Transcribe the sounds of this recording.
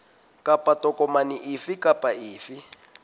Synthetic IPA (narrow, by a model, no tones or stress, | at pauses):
kʼapʼatɔkʼɔmaniʔifikapʼaiːfi